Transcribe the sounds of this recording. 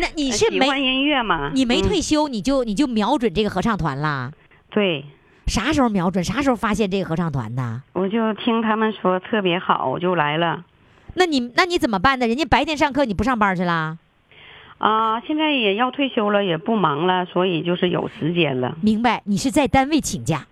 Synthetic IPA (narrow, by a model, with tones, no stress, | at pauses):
na˥˩ni˨˩ʂɻ̩˥˩˧me˧ɪwa˧˥njɛ˧˥nɥɛ˥˩mɐ˩ni˨˩me˧˥ɪt̪ʰwe˥˩ɪɕjo˥ʊni˨˩t͡ɕjo˥˩ʊni˨˩t͡ɕjo˥˩ʊmjɑ˧˥ʊʈ͡ʂwə˨˩nʈ͡ʂɤ˥˩ɡə˩xɤ˧˥ʈ͡ʂʰɑ˥˩ŋt̪ʰwa̰˧˥nlə˧ | t̪we˥˩ɪ | ʂa˧˥ʂə˧˥˩mjɑ˧˥ʊʈ͡ʂwə˨˩nʂa˧˥ʂə˧˥˧fa˥ɕjɛ˥˧nʈ͡ʂɤ˥˩ɡə˩xɤ˧˥ʈ͡ʂʰɑ˥˩ŋt̪ʰwa̰˧˥nd̪ə˧wɔ˨˩t͡ɕjo˥˩ʊt̪ʰi˥ŋt̪ʰa˥mə˨nʂwɔ˥t̪ʰɤ˥˩pjɛ˧˥xɑ˨˩˦ʊ˩t͡ɕjo˥˩ʊla˧˥ɪlə˧ | na˥˩ni˨˩na˥˩ni˧˥t͡sə˨˩mə˦pa˥˩nd̪ə˨˩ɻə˦˥nt͡ɕjɛ˥npa˧˥ɪt̪jɛ˧˥nʂɑ˥˧ŋkʰɤ˥˧˩ni˨˩p̬u˧˥ʂɑ˥˩ŋpa˧˥t͡ɕʰy˥˩lə˨˩ | ə˧˩ɕjɛ˥˧nt͡sa˥˩ɪjɛ˨˩jɑ˥˧ʊt̪ʰwe˥˩ɪɕjo˥ʊlə˧jɛ˨˩pu˥˩mɑ˧˥ŋlə˧swɔ˧˥i˨˩t͡ɕjo˥˧ʊʂɻ̩˥˩jo̰˨˩ʊt͡sʰɹ̩˧˥t͡ɕjɛ˥˩nlə̰˧mi˧˥ŋba˧ɪni˨˩ʂɻ̩˥˧t͡sa˥˩ɪt̪a˥nwe˥˩ɪt͡ɕʰi˨˩ŋt͡ɕja̰˥˩